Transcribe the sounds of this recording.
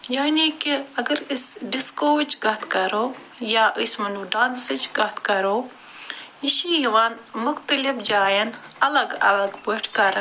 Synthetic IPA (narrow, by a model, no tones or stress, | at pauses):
jaːniːkiɐɡɐɾɪsɖɪskoːʋɪt͡ʃɡɐɦt̪kɐɾoː | jaːʔismɐnuɖaːnsɪt͡ʃɡɐɦt̪ʰkɐɾoː | jiʃiːɦiʋaːnmʊxt̪əlifd͡ʒaːjɐnɐlɐɡɐ̰lɐɡbəʈʰkɐɾ